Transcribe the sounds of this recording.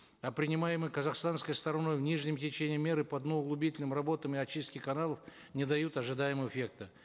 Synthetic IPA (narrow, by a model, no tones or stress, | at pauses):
ɐpɾʲɪnʲɪmajɪmɨjkəzaxst̪anskəjst̪əɾɐno̞jvnʲiʐnʲɪmtʲɪt͡ɕenʲɪjəmʲːe̞ɾɨpɐd̪nəʊɡlˠʊbʲitʲɪlʲnɨmrɐbo̞t̪əmɪɐt͡ɕːist̪kʲɪkɐnalˠəf | nʲɪd̪ɐjut̪ɐʐɨd̪ajɪmɨvəfʲe̞kt̪ɨ